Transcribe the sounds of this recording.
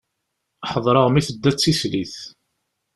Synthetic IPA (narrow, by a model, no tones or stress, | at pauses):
ħəðˤɾˤəʁmiθəd̪ːæt͡sːisliθ